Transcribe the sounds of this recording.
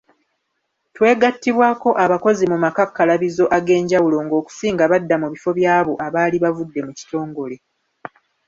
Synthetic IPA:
twe̞ːɡatːiβwaːko̞ʔaβako̞zimumakakːalaβizo̞ʔaɡe̞ːɲɟawulo̞ŋɡo̞ːku̥siːŋɡaβadːamuβifo̞βjaːβo̞ʔaβaːliβavudːe̞muci̥to̞ːŋɡo̞le̞

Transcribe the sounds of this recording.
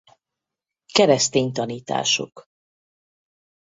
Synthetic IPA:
kɛɾɛst̪eːɲt̪ɒniːt̪a̰ːʃo̞̰k

